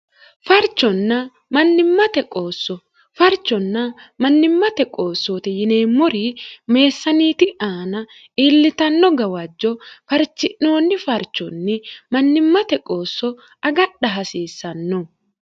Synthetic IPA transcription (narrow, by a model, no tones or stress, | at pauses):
fɐɾt͡ʃːɔnːɐ | mɐnːɪmːɐt̪ɛkʼo̞ːsːɔ | fɐɾt͡ʃːɔnːɐmɐnːɪmːɐt̪ɛkʼo̞ːsːoːt̪ɪjɪneːmːɔɾime̞ːsːɐniːt̪ɪʔaːnɐ | iːlːɪt̪ɐnːɔɡɐwɐd͡ʒːɔfɐɾt͡ʃːɪʔno̞ːnːɪfɐɾt͡ʃːɔnːɪmɐnːɪmːɐt̪ɛkʼo̞ːsːɔ | ɐɡɐɗɐɦɐsiːsːɐnːɔ